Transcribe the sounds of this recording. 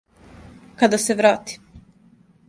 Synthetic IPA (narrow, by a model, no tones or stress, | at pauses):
kad̪aseʋɾaːt̪i̥